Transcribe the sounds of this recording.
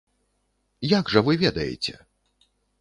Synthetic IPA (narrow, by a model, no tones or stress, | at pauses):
jaɡʐɐvɨvʲɛd̪ɐjḛt͡sʲɛ̰